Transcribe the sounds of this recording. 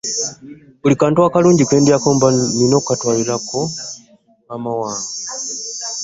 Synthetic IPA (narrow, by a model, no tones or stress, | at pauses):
βulikaːntuakaluːɲɟikweːndiakoːmbaninokukatwalilako | amawaːŋo